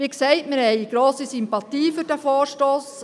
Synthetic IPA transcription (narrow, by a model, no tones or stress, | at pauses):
ʋiksɛɪtmɪɾhɛɪiɡ̥ɾoːsisimpɑt̪iːfʏɾd̥æfoːɾʃtoːs